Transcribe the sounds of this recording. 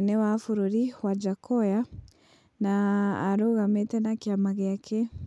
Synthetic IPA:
nɛwafuɾuɾiwad͡ʒakʰɔja | naːɾoɣamɛtɛnakiamaɣeakʰɛ

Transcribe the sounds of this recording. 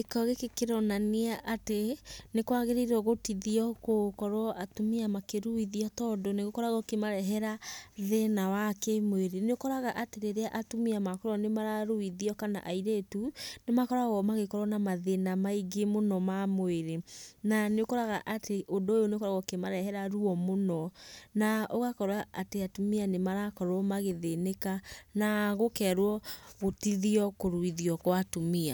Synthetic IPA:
ekɔɣekekeɾɔnaneaʔatenekwaɣeɾeiɾɔɣotiðiɔkokɔɾɔʔatomiamakeɾuiðiɔtɔdɔneɣokɔɾaɣɔkemaɾɛɦɛɾaðenawakemweɾeneokɔɾaɣaʔateɾeɾeaʔatumiamakɔɾwɔnemaɾaɾuiðiɔkana̰ʔaiɾetunemakɔɾaɣɔmaɣekɔɾwɔnamaðenamaiɡemonɔmamweɾenaneokɔɾaɣaʔatʰeʔodoːjoneokɔɾaɣɔkemaɾɛɦɛɾaɾuɔmonɔnaʔoɣakɔɾwaːteatumianemaɾakɔɾwɔmaɣeðenekanaɣokɛɾwɔɣotiðiɔkoɾuiðiɔkwatumia

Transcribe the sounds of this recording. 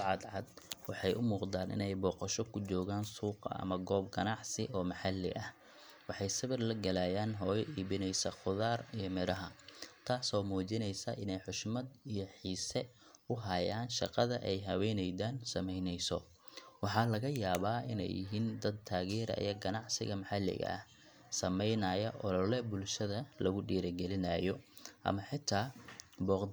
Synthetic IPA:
ʕɑd̪ʕɑd̪wɑħɑjʔʊmuːqd̪aːnʔɪ̰nɛjbɔːqɔʃɔkʰʊt͡ʃɔːɣaːnsuːqɐ̰ʔɐ̰mɐɡɔːbɡɐnɑʕsɪʔɔːmɐħɑlːɪ̰ʔɐh | wɑħɑjsɐβɪrlɐɡɐlaːjaːnɦɔːjʔiːβɪnɛjsɐχʊðaːrijɔmɪɾɐɦɐt̪ʰaːsɔːmuːt͡ʃɪnɛjsɐʔɪnɛjħʊʃmɐd̪ijɞħiːsɛ | ʊɦɐjaːnʃɑqɑðɐʔɛjɦɐwɛjnɛjdaːnsɐmɛjnɛjsɔ | wɑħɑlɐɣɐjaːβaːɪnɛ̰jɪ̰ɦiːnd̪ɐd̪̚t̪ʰaːɣɛːɾɐ̰jɐɡɐnɑʕsɪ̰ɣɐmɐħɑlːɪ̰ɣɐ̰ɐ̰h | sɐmɛjnɐjɐʔɔlɔlɛbʊlʃɐðɐlɐɣʊɖiːɾɐɡɛlɪnɐːjɔʔɐ̰mɐħɪt̪ʰaːbɔːq

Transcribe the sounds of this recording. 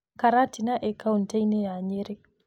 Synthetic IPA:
kaɾatinaʔɛkauntajnejaɲeɾe

